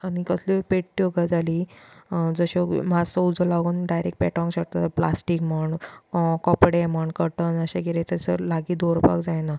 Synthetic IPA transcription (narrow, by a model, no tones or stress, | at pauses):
anikəslepeʈ̚ʈioɡad͡zʱali | d͡zəɕɔmasəud͡zəlaʋɡənɖajɾek̚ʈ̚pɛʈɔ̃ŋkɕək̚t̪at̪əplasʈikməɳkɔpɽeməɳkəɾʈənəɕeɡeɾet̪əsə̰laɡiːd̪oɾpa̰kd͡zajna